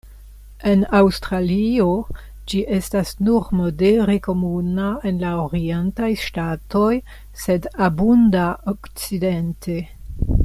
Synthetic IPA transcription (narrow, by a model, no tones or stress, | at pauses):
e̞nawstɾalio̞ | d͡ʒiʔe̞stasnuɾmo̞deɾe̞ko̞munae̞nlaoɾientajʃtato̞j | se̞dabundaokt͡side̞ntʰe̞